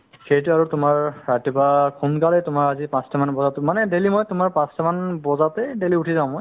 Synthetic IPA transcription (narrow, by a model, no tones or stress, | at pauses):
xejtʊaɹutʊmaɹɹatɔpakʰumkalɛtʊmaɹazipãstʰamanbɔzatmanɛdelimɔjtʊmaɹpãstamanbɔzatɛdeliutʰizãʊ̃mɔj